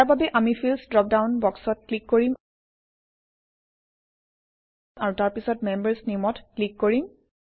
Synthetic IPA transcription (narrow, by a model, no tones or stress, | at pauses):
aɹbabɛʔamipʰilsdɹɔp̚dawnbɔksɔt̚klikːoɹim | aɹutaɹpisɔtmembəɹsnimɔtklikːoɹim